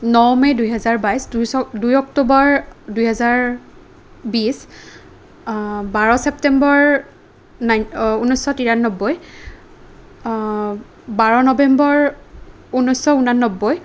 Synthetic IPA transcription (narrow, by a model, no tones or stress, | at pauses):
nɔwmɛjdujɦɛzaɹbajsdusɔdujɔktubɔɹdujɦɛzaɹ | bis | baɹɔsɛp̚tɛmbɔɹ | najunɔjsɔtiɹanːɔbːɔj | baɹɔnɔbɛmbɔɹ | unɔjsɔunanːɔbːɔj